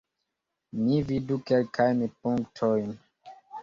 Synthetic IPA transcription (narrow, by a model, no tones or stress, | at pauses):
mividukɛlkajnipuŋktʰojn